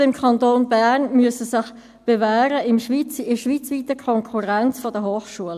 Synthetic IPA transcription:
ɪmkʰɑntoːnbæʁnmyəsəsɪχ | b̥evæːɾəɪmʃʋit͡sɪʃʋiːt͡sʋiːtəkʰɔŋkʰuʁant͡sfɔdəhoːχʃuəl

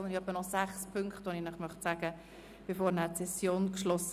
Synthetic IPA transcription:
ɔnd̪əɾœbənɔsæχspʰŋkχt̪ʋoninəχmœχtsaːɡə | b̥efoːɾnæsɛsjoːnkʃlɔs

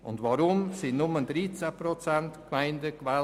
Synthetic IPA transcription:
ʊ̰ndʋaɾʊmsɪnnʊməndɾit͡sæprot͡sɛntkmaɪndəkʋɛ

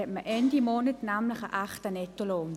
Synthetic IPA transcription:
ɛtməʔɛndimoːnətnaːmləχəʔaχtanɛtoloːm

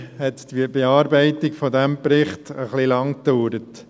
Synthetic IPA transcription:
hɛtd̥̪ibeɑːɾbɛɪtɪɡfɔd̪æmpɾɪχt̪əχlilɑŋkd̪̥uːɾət

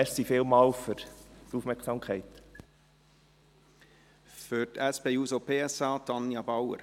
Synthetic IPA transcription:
ɛɾsifeːlmɑːlfʏɾt̪uːfmɛɾksɑmkʰɛæɪt̪ | fœt̪æspeːuːsopʰeːɛsɑːt̪ʰɑnjɑbɑwə̰ɾ

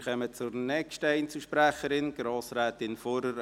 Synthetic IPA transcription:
χɛmət͡sʊɾnɛkʃtəɛɪnt͡suʃpɾæχəɾɪnɡ̥ɾɑːsɾæːt̪ɪnfɔɾəɾ

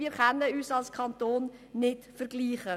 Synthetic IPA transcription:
iːɾχɛnəyːsɑlskʰɑntoːnnɪtfəɾɡ̥liːχə

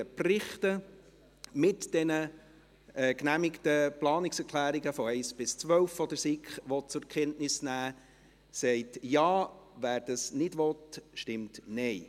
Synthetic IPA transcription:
əprɪχtə | mɪtd̥ɛnə | ɛknæmɪktəplɑːnɪksɛɾkʰlæːɾiɡəfɔɛɪsb̥ɪst͡sʋœlfɔd̥̪əɾsɪkχʋɔtt͡sʊɾkχɛntnɪsnæː | sɛɪtjɑːʋæːɾd̥ɑsnɪdʋɔtʃtɪmtnɛɪ

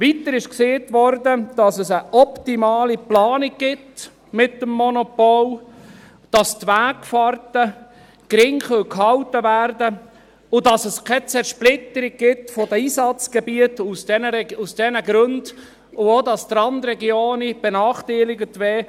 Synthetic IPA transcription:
ʋit̪əɾɪʃkseːtʋɔɾdəd̥ɑsəsəʔɔptimɑːliplɑːnɪɡ̚ɡ̥ɪt | mɪtːəmːɔnopɔl | d̥ɑstʋæːkfɑrtə | kɾɪŋχœlkhɑwtəvæːɾdə | ʊdɑsəskʰɛt͡sɛɾʃplɪt̪əɾɪɡ̚ɡɪtfodəiːsɑt͡sɡ̥ɛbiətusd̥ɛnəɾɛusd̥ɛnəɡɾønd̥ | ʊodɑst̪ɾɑnd̪ɾɛɡioːnib̥enɑːχtiɪlɪɡətʋɛː

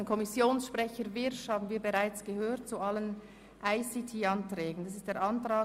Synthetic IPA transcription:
nkʰɔmɪsjoːnsʃpʁ̥ɛçəɾvɪɾʃhaːbn̩viːbeʁaɪt͡sɡ̥əhøːʁt̚t͡sualən | ʔaɪsitʰiːɑntʁ̥ɛːɡn̩d̥as̬ɪstd̥eːɐʔɑntʁ̥aː

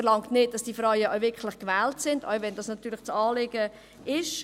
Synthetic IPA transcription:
əɾlɑŋtnɪt̚d̥ɑsd̥iːfrœɥəʔaʊvɪɾkʰlɪχkʋɛːltsɪnda̰ʊvɛndɑːsnɑt̪ːyːɾlɪt͡sɑːlɪɡ̥ə | ɪʃ

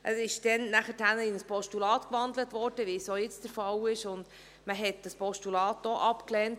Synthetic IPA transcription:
ʔəsɪʃd̥ɛnnæχəthænəɪnəspʰɔʃtulɑːtkʋɑndlətʋɔɾd̥əʋisojɪt͡std̥əɾfɑlɪʃʊnd | məɦɛt̚d̥ɑspʰɔʃtulɑːtːɔʔɑpklɛːnt

